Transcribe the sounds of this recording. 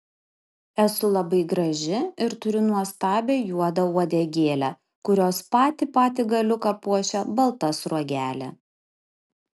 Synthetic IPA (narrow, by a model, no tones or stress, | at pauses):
ɛsʊlˠɐbɐɪɡɾɐʒʲɪɪɾt̪ʊɾʲʊnuɔst̪ɑːbʲeːjuɔd̪ɐuɔd̪ʲɛɡʲeːlʲæː | kʊɾʲoːspɑːt̪ʲɪpɑːt̪ʲɪɡɐlʲʊkɑpuɔʃʲɛbɐlˠt̪ɐsɾuɔɡʲæːlʲḛ